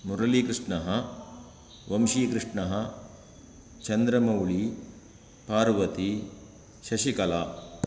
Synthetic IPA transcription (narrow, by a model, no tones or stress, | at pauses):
muɾɐlikɾɪʂɳɐɦɐ | ʋɐmʃiːkɾɨʂɳɐɦɐ | t͡ʃɐnd̪ɾɐmɐwɭi | paːɾʋɐt̪i | ʃɐʃikɐlaː